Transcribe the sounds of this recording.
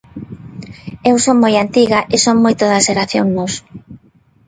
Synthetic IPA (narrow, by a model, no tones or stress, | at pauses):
ewsoŋmojant̪iɣaʔesoŋmojt̪oðɐʃeɾaθjoŋnos